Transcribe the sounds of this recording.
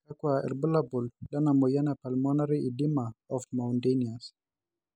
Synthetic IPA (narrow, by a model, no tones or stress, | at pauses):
akwaɛ̰ɾbulabuldanamɔjanapalmɔnaɾiidimaɔfmawntenias